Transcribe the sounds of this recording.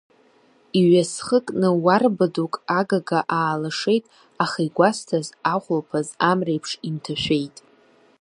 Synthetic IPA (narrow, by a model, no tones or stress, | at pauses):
iɥasχəkʼnɨwarbadukʼaɡaɡaʔaːlaʂe̞jtʼ | aχejɡʷastʰazaχʷlpʰazamrejpʰʂimtʰaʃʷᶣejtʼ